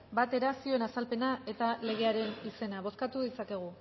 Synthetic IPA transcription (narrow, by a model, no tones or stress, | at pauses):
bat̪e̞ɾasio̞enasalpe̞nae̞t̪ale̞ɣ̞e̞aɾe̞nise̞naβ̞o̞skat̪uðisake̞ɣ̞u